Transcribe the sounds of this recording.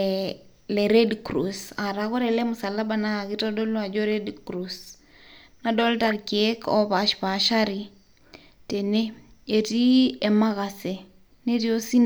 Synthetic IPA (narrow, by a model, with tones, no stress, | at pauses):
lɛɾe˦dkɾusa˨ɾakɔ˦ɾɛ˨lɛ˦mʊ˨sa˨la˦ba˦na˦˨ɣi˦ta˦dɔ˦la˨d͡ʒoɾe˦dkɾus | na˦dɔ˦lta˨ɾke˦kɔ̰˦βa˨ʃpa˨ʃa˦ɾi˨ | te˨ne˦e˨ti˦e˨ma˦ɣa˨se˨ | ne˦ɾi˦o˦si˦n